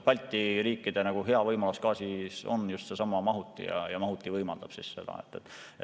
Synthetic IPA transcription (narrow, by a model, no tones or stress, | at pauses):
pɑlʲt̪ːˑiriːkːid̪̥e̞nɑɡ̥uɦe̞ɑvɤjmɑluskɑːsiso̞̰njust̪sesɑmːˑɑmɑɦut̪ˑːḭjɑ̰jɑmɑɦut̪ːˑivɤjmɑld̪̥ɑb̥sisse̞d̪̥ɑ̰et̪ːˑet̪ːˑe